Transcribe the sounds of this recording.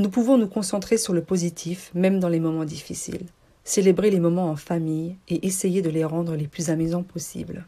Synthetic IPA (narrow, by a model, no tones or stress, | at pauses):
nupuvɔ̃nukɔ̃sɑ̃t̪χesyʁləpozit̪ʰifmɛmd̪ɑ̃lemɔmɑ̃d̪ifisḭl | selebʁelemɔmɑ̃ɑ̃famijeʔesejed̪əleʁɑ̃d̪ʁəleplyzamyzɑ̃pʰɔsḭbl